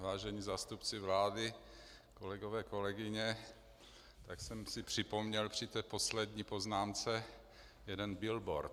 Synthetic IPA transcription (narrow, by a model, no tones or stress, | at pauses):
vaːʒɛɲiːzaːst̪upt͡sɪvlaːdɪ | ko̞lɛɡovɛːko̞lɛɡɪɲɛ | t̪aksɛmsɪpr̝̥ɪpo̞mɲɛlpr̥ɪt̪ɛːpo̞slɛd̪ɲiːpo̞znaːmt͡sɛ | jɛdɛnbɪlbo̰ɾt̪